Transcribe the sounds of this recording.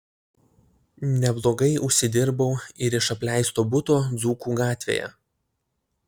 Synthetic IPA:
nʲɛblˠoːɡɐɪʊʃʲsʲɪd̪ʲɪɾbɐʊɪɾɪʃɐpʲlʲæɪst̪oːbʊt̪oːd̪zuːkuːɡɑːt̪ʲʋʲḛːjɛ̰

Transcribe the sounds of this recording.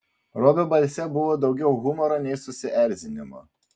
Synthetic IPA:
ɾobʲobɐlʲˑsʲɛbʊʋoːd̪ɒʊɡʲɛʊɣʊmɔɾoːnʲɛɪsʊsʲɪʔæˑɾʲzʲɪnʲɪmo̰ː

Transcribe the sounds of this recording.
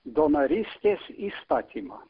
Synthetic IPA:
d̪onaɾist̪ʲɛsist̪at̪ʲʰima̰

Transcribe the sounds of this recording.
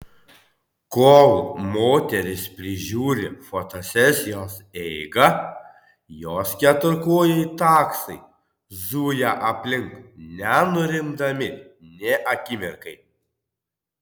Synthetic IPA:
koːmoːt̪ʲɛɾʲɪspʲɾʲɪʒʲuːɾʲɪfoːt̪oːsʲɛsʲɪjoːsɛɪɡɐ | joːskʲɛt̪ʊɾkoːjɛɪt̪ɑːksɐɪ | zuːjæʔɐpʲlʲɪŋknʲɛnʊɾʲɪnd̪ɐmʲɪnʲɛʔɐkʲɪmʲɪɾkɐɪ

